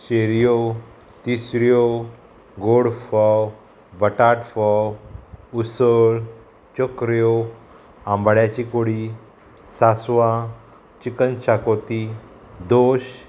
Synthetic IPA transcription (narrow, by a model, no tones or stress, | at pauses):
ɕeɾjo | t̪isɾjo | ɡoɽfɔw | bəʈaʈfɔwusəɭ | t͡ɕɔkɾjo | ãmbɭjat͡ɕikoɽi | sasʋã | t͡ɕikənɕakot̪i | d̪oɕ